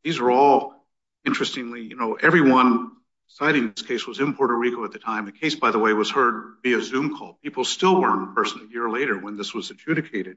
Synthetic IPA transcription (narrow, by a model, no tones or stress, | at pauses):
ðizə˞ɔlˠ | ɪ̃nt͡ʃɹ̥ɨstɪ̃ŋlijɨnoʊʔɛvɹiwʌ̃n | saɪɾɪ̃ŋðɪskʰeɪswʌzɨ̃mpʰɔɹɾəɹikoʊɨt̪̚ðɨtʰãɪ̃mðɨkʰeɪsb̥aɪðəweɪwʌz̥hɜ˞d̚biɨzʉ̃mkʰɔ̰lˠpʰipl̩ˠstɪlˠwɜ̃˞nəpʰɜ˞sn̩ɨjɪɹleɪɾə˞wə̃nðɪswʌz̥ɨd͡ʒ̥ʉɾɨkʰeɪɾɨd̥̚